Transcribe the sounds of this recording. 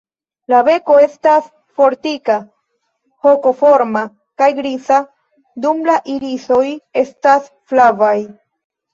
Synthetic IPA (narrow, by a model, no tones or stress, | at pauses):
lave̞ko̞e̞stas | fo̞ɾtika | ho̞ko̞fo̞ɾma | kajɡɾisa | dumlaʔiɾiso̞je̞stas | flavaj